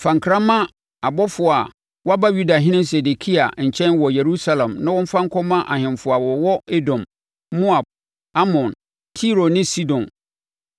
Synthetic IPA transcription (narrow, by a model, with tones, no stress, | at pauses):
fã˨ŋ˨kʰɾã˦mã˦ | a˨bɔ˦fʊ˨a˨ | wɔ˦a˦ba˦ju˦da˨ɦɪ̃˦nɪ̃˦mse˨de˨kʰi˦a˨ɲ̩˨t͡ɕʰɛ̃˦nwɔ˨je˨ɾu˦sa˦lã˨mnã˦wɔ̃˦m̩˦fã˦ŋ˦kʰɔ˦mã˦ʔa˨hɪ̃˨mfʊ˨a˨wɔ˨wɔ˦e˦dɔ̃˨mː | ʊ̃˦a˨ | a˦mɔ̃˨n | tʰi˦ɾo˨nɪ̃˦si˦dɔ̃˨n